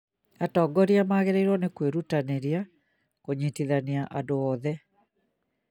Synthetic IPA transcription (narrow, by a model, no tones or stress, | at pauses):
atɔːɡɔɾiamaɣeɾeiɾwɔnekweɾutaneɾia | koɲitiðaniaʔandoɔːðɛ